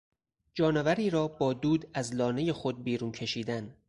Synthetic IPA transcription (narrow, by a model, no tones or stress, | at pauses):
d͡ʒɒːnevæɾiːɾɒːbɒːd̪uːd̪æzlɒːne̞je̞xo̞d̪̚biːɾuːncʰe̞ʃiːd̪æn